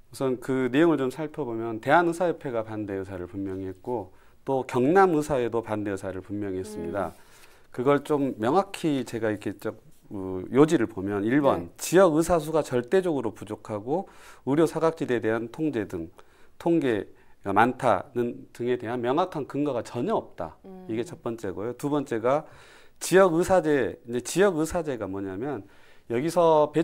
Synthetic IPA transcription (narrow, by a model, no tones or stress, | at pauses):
usʰɯnkɯne̞joŋɯɭt͡ɕomsʰaɭpʰjʌbomjʌnte̞ɦanɯsʰajʌpʰe̞ɡapande̞ɯsʰaɾɯɭpummjʌŋiɦe̞t̚k͈o | t͈okjʌŋnamɯsʰae̞dopande̞ɯsʰaɾɯɭpummjʌŋiɦes͈ɯmɲida | kɯɡʌɭt͡ɕ͈omːjʌŋɦakʰit͡ɕe̞ɡaiɾkʰe̞t͡ɕʌk̚ | ɯjod͡ʑiɾɯɭbomjʌniɭbʌnt͡ɕijʌɡɯs̬ʰas̬ʰuɡat͡ɕʌɭt͈e̞d͡ʑʌɡɯɾopud͡ʑokʰaɡouɾjosʰaɡak̚t͡ɕ͈ʰidede̞ɦantʰoŋd͡ʑe̞dɯŋ | tʰoŋɡe̞ɡamantʰa̰nɯndɯŋe̞de̞ɦanmjʌŋɦakʰankɯŋɡaɡat͡ɕʌɲʌʌp̚t͈a̰iɡe̞t͡ɕʰʌt̚p͈ʌnt͡ɕ͈e̞ɡojotubʌnt͡ɕ͈e̞ɡa | t͡ɕijʌɡɯsʰad͡ʑe̞ind͡ʑe̞t͡ɕijʌɡɯsʰad͡ʑe̞ɡamwʌɲamjʌnjʌɡisʰʌpe